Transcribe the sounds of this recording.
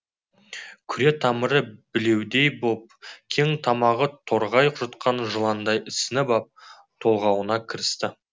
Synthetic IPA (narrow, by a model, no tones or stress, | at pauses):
kʲʰʏɾe̞t̪ʰɑməɾəbɪle̞wd̪e̞jbop̚kʲʰe̞ŋt̪ʰɑmɑʁət̪ʰo̞ɾʁɑjəqʒɑt̪qʰɑnʒəlˠɑnd̪ɑjɪsɪnɪbɑp̚ | t̪ʰo̞lˠʁɑwənɑkʲʰɪɾɪst̪ɪ